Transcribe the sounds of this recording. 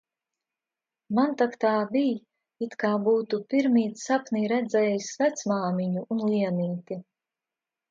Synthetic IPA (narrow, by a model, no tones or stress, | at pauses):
mant̪akt̪aːbij | it̪kaːbuːt̪upiɾmiːt̪sapniːɾɛd̪zɛːjisvæt̪smaːmiɲuʔunliɛniːt̪i